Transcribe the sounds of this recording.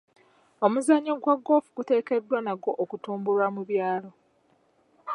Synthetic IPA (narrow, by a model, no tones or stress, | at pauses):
o̞muzaɲːoɡwaɡːo̞ːfuɡute̞ːke̞dːwanaɡo̞ʔokutuːmbulwamuβjaːlo̞